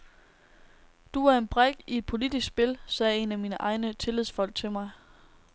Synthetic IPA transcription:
d̥uæɐe̝nb̥ʁaɡ̥ie̝d̥̚pʰo̝lid̥isɡ̥sb̥e̝lsɛːe̝næmiːnəʔɑ̈ɪnət͡sʰe̝lið̰ˠsfɒ̽l̰ɡ̥̚t͡sʰe̝lmɑ̈ɪ

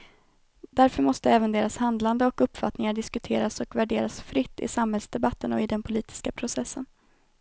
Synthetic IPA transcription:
d̪æɾfœɾmɔst̪əɛːvənd̪eːɾashand̪land̪əɔkɵpːfat̪nɪŋaɖɪskɵt̪ʰeːɾasɔkvæɖeːɾasfɾɪt̪ːɪ̰samhɛlsd̪ɛbat̪ːənɔɪd̪ɛnpʰʊliːt̪ɪ̥skapʰɾʊsɛsːən

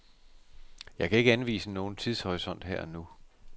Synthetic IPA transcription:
jɑ̈ɪkʰæe̝ɡ̥əænʋḭːsəno̝ːn̩t͡sʰiðˠshɒʁisɒ̽n̰d̥heɐ̰nu

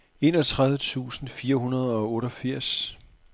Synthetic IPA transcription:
e̝ːnɒ̽t͡sʰʁað̞ˠʋət͡sʰṵːsn̩fiːɐɦunɐð̞ˠɒ̽ɔ̽ːɾɒfiɐ̰s

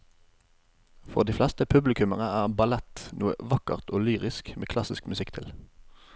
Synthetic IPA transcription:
fɔʁd̪iːflɛst̪əpʰʉblɪkʉməʁnəæːʁbɑlɛt̪nuːə̰ʋɑkə̰ʁt̪oːlyːʁɪskmeːkʰlɑsɪskmʉsɪkt̪ʰɪl

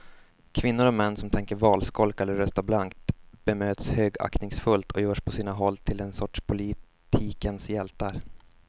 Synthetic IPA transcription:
kʰvɪnːʊɾɔmɛnːsɔmt̪ʰɛŋkəɾvɑːlskɔlkɛlːəɾːœst̪ablaŋkt̪b̥ɛmøːt̪shøːɡa̰knɪŋsfɵlt̪ʰɔjœːʂpʰɔsiːnaɦɔlːt̪ʰɪlɛnsɔʈʂpʰʊlɪ | t̪ʰiːkənsjɛlt̪aɾ

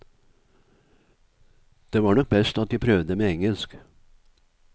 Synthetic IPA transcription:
d̪̥eːʋɑːɳɔk̚bɛst̪ɑt̪̚d̪æpʰɾœʋd̪əmeːɛŋəlsk

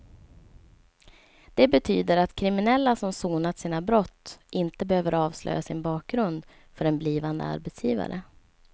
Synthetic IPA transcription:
d̪̥ɛbɛt̪ʰyːd̪əɾat̪kʰɾɪmɪnɛlːasɔmsuːnat̪siːnabɾɔt̪ːʔɪnt̪əbɛhøːvəɾɑːvslʔœ̰jasɪnbɑːk̚ɡɾɵnd̪ | fœɾɛnbliːvand̪ə̰a̰ɾbɛt̪sjiːva̰ɾə

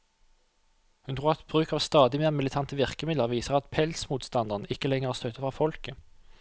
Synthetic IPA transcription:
hʉnt̪ʰʁuːʁɛt̪̚b̥ʁʉːkɑːʋst̪ɑːd̪ɪmeːʁmɪlɪt̪ʰɑnt̪əʋɪʁkəmɪdləʁʋiːsəʁɑt̪pʰɛlsmuːt̪st̪ɑnd̪əʁnɪkəlɛŋəʁæːʁst̪øːt̪əfʁɑːfɔlkə

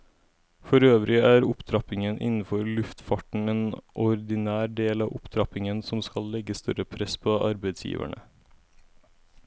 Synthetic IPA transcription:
fɔɾøːʋɾɪæːɾʊpt̪ʰɾɑpɪŋənʔɪ̰nn̩fɔɾlʉft̪fɑʈɳ̩eːnʔɔɾd̪ɪnæːɾɖeːlɑːʋʊpt̪ʰɾɑpɪŋənsɔmskɑllɛɡəst̪œɾəpʰɾɛspʰoːʔɑɾbæɪd̪sjḭːʋʔæ̰ɳə̰

